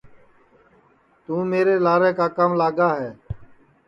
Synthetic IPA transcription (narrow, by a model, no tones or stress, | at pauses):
t̪ũːmeːɾeːlaːɾeːkaːkəmlaːɡaːɦɛː